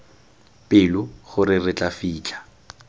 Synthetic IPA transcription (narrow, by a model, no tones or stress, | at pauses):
pʼɪlʊχʊɾɪrɪt͡ɬʼafiːt͡ɬʼḁ